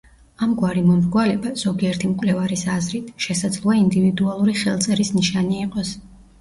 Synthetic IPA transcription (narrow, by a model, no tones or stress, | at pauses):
amɡwaɾimɔmɾɡwalɛbaz̥ɔɡiɛɾt̪ʰimkʼwlɛvaɾisazɾit̪ʰʃɛsad̪zlˠuaind̪ivid̪ualˠuɾiχɛlˠt̪sʼɛɾisniʃaniːqʼɔs